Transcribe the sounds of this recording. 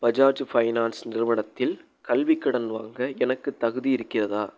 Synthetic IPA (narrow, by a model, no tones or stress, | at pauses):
bɐd͡ʒaːɾd͡ʒfɐɪnaːnsnɪɾɯʋɐɳɐt̪ːɪl | kɐlʋɪkːɐɽɐnʋaːŋɡɐɛnɐkːɯt̪ːɐɣɯðijɪɾɯkːɪrɐðaː